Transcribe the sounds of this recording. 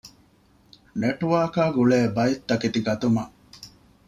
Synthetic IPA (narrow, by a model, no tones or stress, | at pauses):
neʈuʋaːkaːɡuɭeːbɐjit̪ːɐkit̪iɡɐt̪umɐ